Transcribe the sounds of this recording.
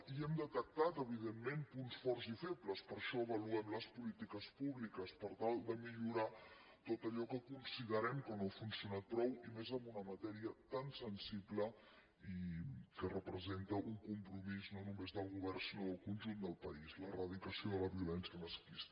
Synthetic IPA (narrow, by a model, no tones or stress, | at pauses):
iɛmd̪ət̪ək̚t̪at̪əβiðemːempunsfɔrzifepləspəɾʃɔəβəluɛmləspulit̪ikəspuβlikəspəɾt̪alˠd̪əmiʎuɾa | t̪ot̪əʎɔkəkunsiðəɾɛmkənoəfunsiunat̪̚pɾɔwimezəmbunəmət̪ɛɾiət̪ansənsiplə | ikərəpɾəzent̪əʔuŋkumpɾumiznonumezðəlˠɣ̞uβɛrnsinoðəlˠkunʲʒund̪əlˠpəizlərəð̞ikəsioðələβiulɛnsiəməskist̪ə